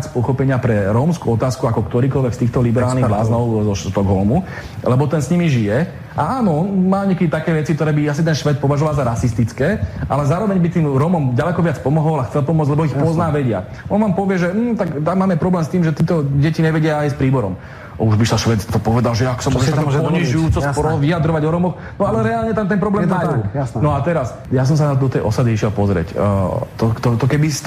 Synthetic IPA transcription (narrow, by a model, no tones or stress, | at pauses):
at͡spɔxɔpɛɲɪapɾɛɾɔmskuɔt̪aːskuakɔkt̪ɔɾiːkɔlʋɛkst̪iːxt̪ɔlibɛɾaːlniblaːznɔʊzɔʃt̪ɔɡɦɔlmu | lɛbɔt̪ɛnsɲimiʒijɛ | ʔaaːnɔɔnmaːɲɛkɛd̪it̪akɛːʋɛt͡sik̚t̪ɔɾɛːbias̬it̪ɛnʃʋɛt̪̚pɔʋaʒɔʋalzaɾasist̪it͡skɛːʔalɛzaːɾɔʋɛɲbit̪iːmɾɔmɔmɟalɛkɔʋɪat͡spɔmɔɦɔlaxt͡sɛlpɔmʊɔd͡zlɛbɔixpɔznaːʋɛɟɪa̰ | ʔɔnʋaːmpɔʋɪɛʒɛm̩ːt̪akt̪amːaːmɛpɾɔblɛːmst̪iːmʒɛt̪iːt̪ɔɟɛciɲɛʋɛɟɪaːjspɾiːbɔɾɔ̰m | uʒbisaʃʋɛt̪t̪ɔpɔʋɛd̪alʒɛakɔ̥samʊɔʒɛt̪akt̪ːɔpɔɲiʒujuːt͡sɔspɔɾɔɔʋiad̪ɾɔʋaɟɔɾɔmɔx | nɔalɛɾɛalɲɛt̪amt̪ɛnpɾɔblɛmaunɔat̪ɛɾas | jas̬ɔms̬anat̪ɔd̪ɔt̪ɛjʔɔsad̪iiʃɪɛlpɔzɾɪɛ̰ct̪ɔkt̪ɔt̪ɔkɛbi